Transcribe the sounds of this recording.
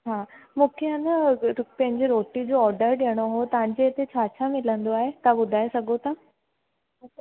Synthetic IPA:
ɦãːmũːkʰeanəpɐ̃ɦɪ̃ɲd͡ʑeɾoːʈid͡ʑoːɔːɾɖəɾɖeɽ̃oɦot̪ɐʋ̤ãɲd͡ʑeːt̪et͡ɕʰaːt͡ɕʰamɪlə̃nd̪oaːɦet̪abʊd̪ʱaːesɐɡʱot̪ɐ

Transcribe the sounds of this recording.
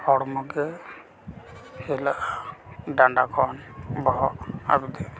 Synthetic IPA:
hɔɽɔmɔɡɛ | sɛlaʔaɖaɳɖakʰɔnbɔɦɔʔa̰bid̪ɛ

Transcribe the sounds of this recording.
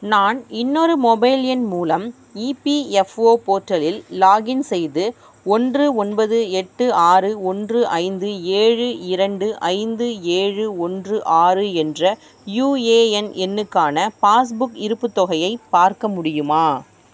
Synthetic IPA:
naːnɪnːɔɾɯmɔbɐɪljɛnmuːlɐm | iːpiɛfoːpoːʈɾɐlɪlːaːɣɪnsɛjðɯ | ɔndrɯɔnbɐðɯɛʈːɯaːrɯɔndrɯʔɐɪnd̪ɯeːɻɯɪɾɐɳɖɯʔɐɪnd̪ɯeːɻɯɔndrɯʔaːrɯɛndrɐ | juːeːɛnɛnːɯkːaːnɐpaːs̬bʊkɪɾɯpːɯt̪ːɔɣɐjɐɪpːaːɾkɐmʊɽɪjɯmaː

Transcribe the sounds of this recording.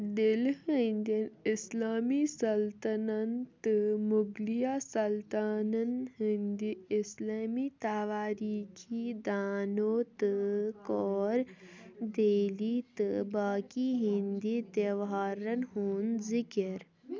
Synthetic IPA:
d̪ɪlhənd̪inɪslaːmisɐlt̪ɐnɐnt̪ɨmuɡlijaːsɐlt̪aːnɐnhind̪iɪslaːmit̪aʋaːɾiːkʰid̪aːnoːt̪ɨkɔːɾd̪eːliːt̪ɨbaːkiɦĩnd̪it̪eʋɦaːɾɐnhuːnzɪkəɾ

